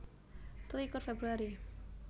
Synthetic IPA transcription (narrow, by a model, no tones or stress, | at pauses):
slikɔrfebɾuaɾi